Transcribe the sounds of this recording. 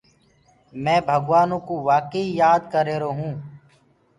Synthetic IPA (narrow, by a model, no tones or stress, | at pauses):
mɛ̃ːbʱəɡʋaːnõːkoːʋaːkəijaːd̪kəɾeːɾoːɦũː